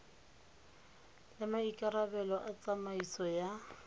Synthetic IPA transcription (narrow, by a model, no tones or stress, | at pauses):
lɪmaikʼaɾabɛlɔʔat͡sʼamaisɔja